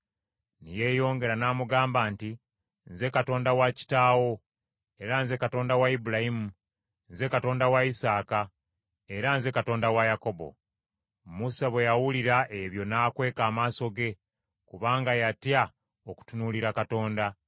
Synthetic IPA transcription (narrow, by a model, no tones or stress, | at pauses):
nije̞ːjo̞ːŋɡe̞ɾanaːmuɡaːmbaːnti | nze̞kato̞ːndawaci̥taːwo̞ | e̞ɾanze̞kato̞ːndawaibulahimu | nze̞kato̞ːndawaisaːka | e̞ɾanze̞kato̞ːndawajako̞bo̞̰ | musaβwe̞jawuliɾaʔeβjo̞naːkwe̞ːkaːmaːso̞ɡe̞ | kuβaːŋɡajatja | oku̥tunuliɾakato̞ːnda